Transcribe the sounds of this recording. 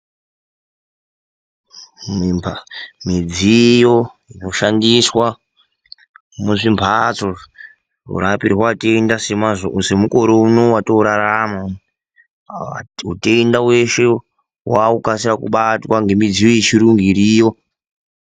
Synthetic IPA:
m | mid͡zijo̞ | ino̞ʃandiswa | muʐimpʰat͡so̞ | ṵrapiɾiɦwateindasemaʐose̞muko̞ɾounowatouɾaɾama | auteindawe̞ʃe | waukasiɾakṵɓatwaŋɡe̞mid͡zijojet͡ʃiɾuŋɡiɾiːjo̞

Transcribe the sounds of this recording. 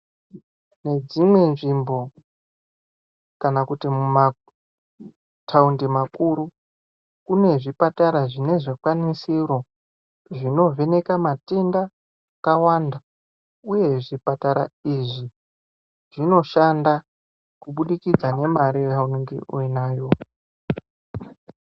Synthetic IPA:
ne̞d͡zimwe̞nʐimbo̞ | kanakutimuma | tʰaundimakuɾu | kune̞ʐipataɾaʐine̞ʐekwanisiro̞ | ʐino̞ve̞ne̞kamate̞nda | kawanda | uje̞ʐipataɾa̰iʐi | ʐ̥ino̞ʃanda | kuɓuɗikid͡zane̞maɾieauniŋɡḭʔuinaːjo̞

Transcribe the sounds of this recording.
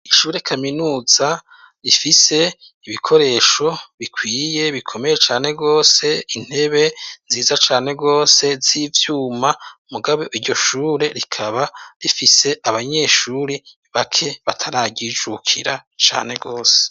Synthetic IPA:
iʃuːɾe̞kʰaminuːz̥a | ɾifise̞ | iβikʰo̞ɾe̞ːʃo̞βikʰwiːje̞βikʰo̞me̞je̞t͡ʃaːne̞ɡo̞ːse̞in̥he̞βe̞nziːzat͡ʃaːne̞ɡo̞ːse̞ziːvjuːmaumuɡaβo̞ʔiɾɟo̞ʃuːɾe̞ɾikʰaβaɾifise̞ʔaβaɲe̞ʃuːɾi | βakʰe̞βatʰaɾaːɟid͡ʒukʰḭɾat͡ʃa̰ːne̞ɡo̞ːse̥

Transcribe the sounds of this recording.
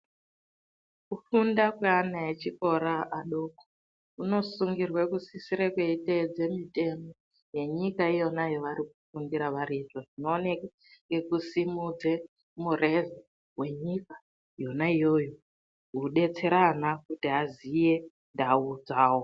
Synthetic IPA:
kufundakweanaet͡ʃiko̞ɾaʔaɗoko̥ | uno̞suŋɡirwekusisiɾekweited͡ze̞mite̞mo̞ | je̞ɲikaijo̞najoʋaɾik̚ufuŋɡiɾaʋaɾiʐoʐino̞ːne | ŋɡe̞kusimud͡ze | mure̞ze | ɦwe̞ɲika | jo̞naijo̞jo | ɦuɗe̞t͡se̞ɾanakutiɦazije̞ | ndaud͡zaːwo

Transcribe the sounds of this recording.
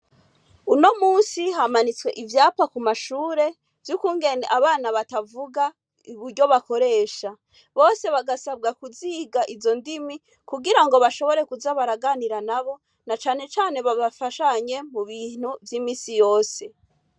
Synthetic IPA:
uno̞muːnsiɦamanit͡swe̞̰ʔivjaːpakumaʃuːɾe̞ | vjukuːŋɡe̞nḛʔaβaːnaβatavuɡa | iβuɾɟo̞βako̞ɾe̞ːʃa | βo̞ːse̞βaɡasab̚ɡakuziɡaʔizo̞ndimi | kuɡiɾaŋɡo̞βaʃo̞βo̞ɾe̞kuzaβaɾaɡaniɾanaβo̞ | nat͡ʃaːne̞t͡ʃaːne̞βaβafaʃaɲe̞muβiːn̥uvjiːmiːsijo̞ːse̞

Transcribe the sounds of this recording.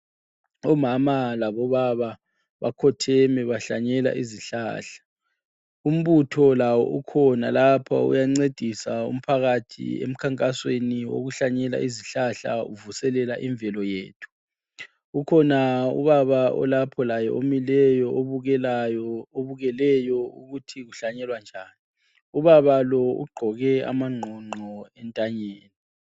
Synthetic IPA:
ɔmamalaβɔβaβa | βa̰kʰɔtʰɛmɛβaɬaɲɛla̰ʔiziɬa̰ːɬḁ | um̩βutʰɔlawɔ̰ʔukʰɔnalapʰa̰ṵjaŋ͡ǀed̥ʱisaṵm̩pʰaɣatʰḭḛm̩kʰaŋkʼasweniwo̰ɣuɬaɲɛla̰ʔiziɬaɬa̰uvusɛlɛlaʔiɱvɛlɔjeːtʰu̥ | ukʰɔnaṵβaβaɔ̰lapʰɔlajɛ̰ʔomilɛjɔʔoβuɣɛlajɔoβuɣɛlɛjɔuɣutʰiɣuɬaɲɛlwand͡ʒʱaːni | uβaβalɔṵɡ͡ǃʱɔɣɛa̰maŋ͡ǃʱɔŋ͡ǃʱɔɛntʼaɲeːni

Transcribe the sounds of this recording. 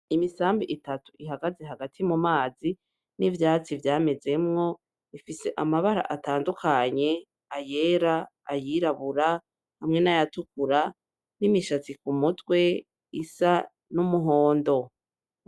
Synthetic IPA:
imisaːmbiʔitatu̥ʔiɦaɡazeɦaɡatʰimumaːzi | nivjaːt͡sivjaːme̞ze̞mŋo̞ | ifise̞ʔamaβaɾa̰ʔataːndukʰaɲe̞ | aje̞ːɾaːjiɾaβuɾa | hamŋe̞najatukuɾa | nimiʃat͡sikumutwe̞ | isa | numuɦo̞ːndo̞

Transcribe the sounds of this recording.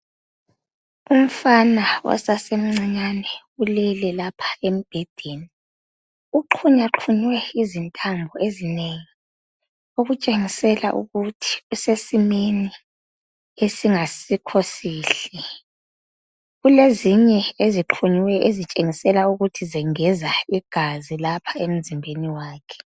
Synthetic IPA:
um̩fanawɔ̰sasem̩ŋ͡ǀaɲanɛ | ulɛlɛlapʰḁem̩b̥ʱed̥ʱeni | uǃʰuɲaǃʰuɲwɛizintʼambʱɔezineŋi | oɣut͡ʃʼeŋisɛla̰ʔṵɣutʰi̥usesimeni | esiŋasikʰosiːɬɛ | ɣuleziɲɛeziǃʰuɲwɛʔezit͡ʃʼeŋisɛlauɣutʰizɛŋɛzaiɡ̥ʱazilapʰḁem̩zimbʱeniwaːkʰɛ̥

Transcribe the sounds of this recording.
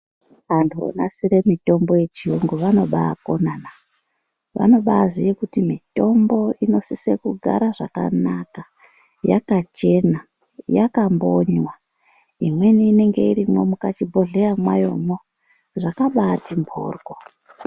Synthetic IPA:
ʋantʰuo̰na̰siɾe̞mito̞mbo̞je̞t͡ʃiuŋɡuʋano̞ɓa̰ːko̞nana | ʋa̰no̞ɓaːzijekutimito̞mbo̞ino̞sisekuɡʱa̰ɾaʐaka̰naka | ja̰kat͡ʃe̞na | jakamboɲwa | imwe̞niːne̞ŋɡe̞iɾimwomukat͡ʃibʱoɮejamwajo̞mwo | ʐakaɓaːtimbʰʱo̰ːrɡo

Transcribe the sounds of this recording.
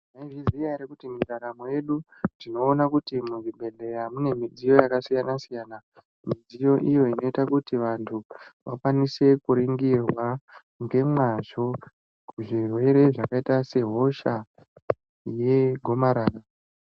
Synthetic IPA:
naiʐizijaɾekutimiraɾamoje̞ɗu | dino̞ːnakutimuʐibʱe̞ɮe̞ɾamune̞mid͡zijo̞jakasijanasijana | mid͡zijo̞ʔijo̞ino̞itakutiʋantʰuʋʔakwanise̞kuɾiŋɡirwa | ŋɡe̞mwaʐo̞ | kuʐirwe̞ɾe̞ʐakaitase̞ɦo̞ʃa | je̞ɡʱo̞maɾaːra

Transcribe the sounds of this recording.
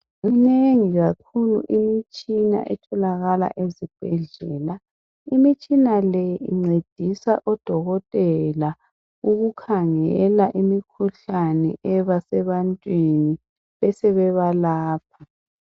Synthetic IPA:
ŋineŋiɣakʰulṵʔimit͡ʃʼina̰ʔɛtʰɔlaɣala̰ʔezib̥ʱɛɮɛːla | imit͡ʃʼinalɛjḭŋ͡ǀed̥ʱisa̰ʔɔd̥ʱɔɣɔtʼɛla | uɣukʰaŋɛlaʔimikʰuɬanɛ̰ʔɛβasɛβantʼwini | βɛsɛβɛβalaːp̚ʰa

